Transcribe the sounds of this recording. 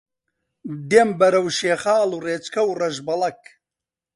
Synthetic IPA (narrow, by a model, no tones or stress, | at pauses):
d̪eːmbɐɾɐwʃeːχaːlureːt͡ʃkʰɐwrɐʒbɐlɐk̚